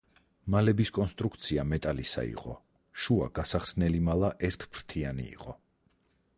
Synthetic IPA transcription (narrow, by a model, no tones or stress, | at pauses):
malɛbiskʼɔnst̪ʼɾukʰt̪sʰiamɛt̪ʼalisa̰ḭqʼɔ̰ | ʃua̰ɡ̥asaχsnɛlimalˠaʔɛɾt̪ʰpʰɾt̪ʰianḭːqʼɔ